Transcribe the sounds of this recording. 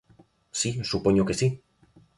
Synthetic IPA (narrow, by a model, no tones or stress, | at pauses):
sisupoɲokesi